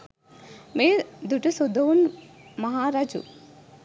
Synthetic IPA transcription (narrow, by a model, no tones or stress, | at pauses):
meːd̪uʈusod̪oːnmɐɦaːɾaːd͡ʒṵ